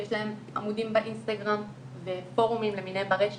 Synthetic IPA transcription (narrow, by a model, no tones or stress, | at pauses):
jeʃlaɦe̞mʔa̰mudimbaʔinst̪aɡʁam | vefo̞ʁumimleminebaʁeʃ